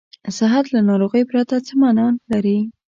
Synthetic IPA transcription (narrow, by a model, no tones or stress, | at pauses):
sɪɦat̪lanɑɾoɣəjpɾat̪at͡səmanɑlaɾi